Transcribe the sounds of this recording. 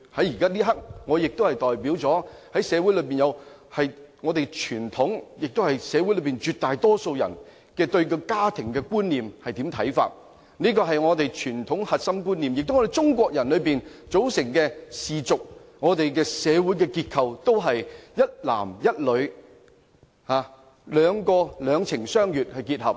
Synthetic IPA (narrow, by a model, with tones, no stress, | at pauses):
hɐ˨˥jiː˨kaː˥liː˥ɦɐ˥k̚ŋɔː˨˧jɪ˨k̚t̪o˥whɐ˨jt̪ɔː˨jpiː˨˥wt͡sɔː˨˥hɐ˨˥jsɛː˨˧wuː˨˥jlɵ˨˧ɥpiː˨njɐ˨˧w | hɐ˨jŋɔː˨˧t̪e˨jt͡ʃʰyː˨˩nt̪ʰʊ˨˥ŋjɪ˨k̚t̪hɐ˨jsɛː˨˧wjlɵ˨˧piː˨nt͡ʃyː˨˧t̚t̪ːaː˨jt̪ɔː˥so˧wjɐ̰˨˩n | kɛː˧t̪ɵ˧ɥkɔ˧kaː˥t̪ʰɪ˨˩ŋkɛː˧kuː˥nliː˨mhɐ˨jt̪iː˨˥mt̪ʰɐ˨˥jfa̰ː˧t̚ | niː˥kɔː˧ɦɐ˨jŋɔː˨˧t̪e˨jt͡ʃʰyː˨˩nt̪ʰʊ˨˥ŋhɐ˨t̚sɐ˥mkuː˥nliː˨mjɪ˨k̚t̪ŋɔ˧d̪e˨jt͡sʊ˥ŋk̬ʷɔː˧k̚jɐ˨˩nlɵ˨˧ɥpiː˨˩nt͡so˨˥wsɪ˨˩ŋkɛː˧siː˨t͡sʊ˨k̚ŋɔː˨˧t̪e˨jkɛː˧sɛː˨˧wu˨˥jkɛ˧kiː˧t̚kʰɐ˨wt̪o˥wɦɐ˨jjɐ˥t̚la̰ː˨˩mjɐ˥t̚lɵ˨˧ɥ | haː˨˧ | lœː˨˧ŋkɔː˧lœː˨˧ŋt͡sʰɪ˨˩ŋsœː˥ŋjyː˨t̚hɐ˨jkiː˧t̚hɐ˨p̚